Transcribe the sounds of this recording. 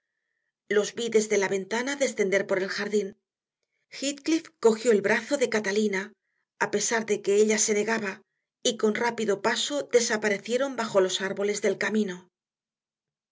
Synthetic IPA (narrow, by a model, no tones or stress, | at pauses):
lo̞zβiðe̞zðe̞laβe̞nt̪anaðe̞sθe̞nd̪e̞ɾpo̞ɾe̞lxaɾðin | xit̪klifko̞xjo̞elβɾaθo̞ðe̞kat̪alinaː | pe̞saɾðe̞ke̞eʎase̞ne̞ɣaβa | iko̞nrapiðo̞paso̞ðe̞sapaɾe̞θje̞ɾo̞mbaxo̞lo̞saɾβo̞le̞zðe̞lkamĩno̞